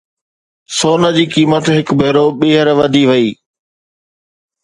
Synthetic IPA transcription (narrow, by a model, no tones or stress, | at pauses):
soːnəd͡ʑiːkiːmət̪ɦɪkbeːɾoɓeːɦəɾʋɐd̪ʱiʋɐiː